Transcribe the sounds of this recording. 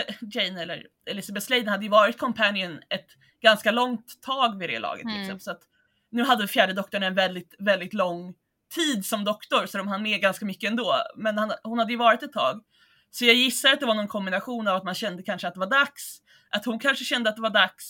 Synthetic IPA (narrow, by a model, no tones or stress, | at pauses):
d͡ʒɛjnɛlːə̰ɾ | ɛlɪsabɛt̪slejd̪nhad̪ːəjɵvɑːɾɪt̪̚kʰɔmpʰænɪənɛt̪ | ɡanskalɔŋt̪ʰːɑːɡvɪd̪ɛ̰ːlɑ̰ːɡə̰t̪ʰːɪlɪksɛ̰mpəlsɔat̪ | nʉ̟ːɦad̪ːəfjæːɖəd̪ɔkt̪ʊɳaɛnvɛld̪ɪt̪vɛld̪ɪt̪lɔŋː | t̪ʰiːd̪sɔmd̪ɔkt̪ʊɾsɔd̪ɔmɦanmɛɡanskamʏkːəɛnd̪oːmɛnhanhʊnhad̪ːəjɵvɑːɾɪt̪ɛt̪ʰːɑ̰ːɡ | sɔjɑːɡjɪsːaɾat̪̚d̪ɛvaɳɔnkʰɔmbɪnaɧuːnavat̪manɕɛnd̪əkʰanʂəat̪̚d̪ɛvaɖaks | ʔat̪hʊnkʰanʂəɕɛnd̪əat̪̚d̪ɛvaɖaks